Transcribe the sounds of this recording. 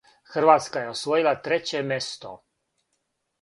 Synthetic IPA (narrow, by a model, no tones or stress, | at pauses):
xr̩ʋaːt̪skaje̞osʋojilˠat̪ɾet͡ɕemʲest̪o̰